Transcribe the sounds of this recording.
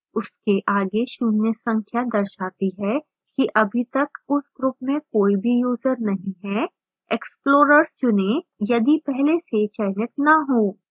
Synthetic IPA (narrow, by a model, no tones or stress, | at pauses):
ʊskeʔaːɡeʃʊnjəsɐ̃ŋkʰjad̪ɐɾʃaːt̪iɦɛ | kiʔɐbʱit̪ɐkʊsɡɾʊpmẽkoːibʱijuːzəɾnɐɦĩɦɛ | eksploːɾəɾst͡ʃʊnejɐd̪ipɛɦleset͡ʃɛːnɪt̪nɐɦoː